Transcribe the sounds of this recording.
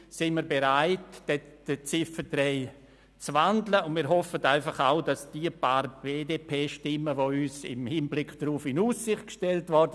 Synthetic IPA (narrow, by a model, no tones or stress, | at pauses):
sɪnmiːɾbeɾaɪtd̥ɛd̥ət͡sɪfətɾɛɪ | t͡sʋandləʊnmiːɾɦɔfətaɪfɑχaʊdɑsd̥iəpaːɾb̥eːdeːpʰeːʃtɪmːəʋoyːsɪ̰mhɪnblɪkd̥ɾuːfɪnuːsːɪχt̚kʃtɛltʋɔɾdə